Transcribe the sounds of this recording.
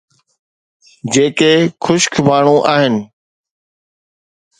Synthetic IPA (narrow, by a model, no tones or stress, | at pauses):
d͡ʒeːkeːkʰʊʃkʰbaːɳõːʔaːɦɪn